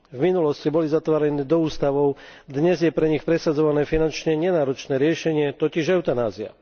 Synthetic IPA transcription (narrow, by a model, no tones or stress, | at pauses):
vminulɔscibɔlizat̪ʋaːɾɛnɛːd̪ɔuːst̪aʋɔʊd̪ɲɛzjɛpɾɛɲixpɾɛsad͡zɔʋanɛːfinant͡ʃɲɛɲɛnaːɾɔt͡ʃnɛːɾɪɛʃɛɲɪɛt̪ɔciʒɛʊt̪anaːzia̰